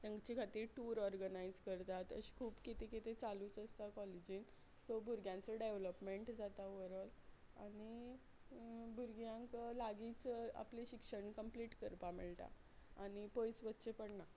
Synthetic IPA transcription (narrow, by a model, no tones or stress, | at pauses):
t̪jãŋɡt͡ɕikʰat̪iːɾʈuːɾɔɾɡənajd͡zkəɾt̪at̪ə̰ɕi̥kʰuːpkit̪ekit̪et͡saluːt͡səst̪akɔlid͡ʑiːn | sobʱuɾɡjãnt͡səɖeʋləpmeɳʈd͡zat̪aʋəɾəl | a̰ñi | bʱuɾɡjãŋklaɡit͡səa̰pleɕikʂəɳkəmpliːʈkəɾpamiɭt̪a̰ | añipəjsʋətːɕepəɽɳa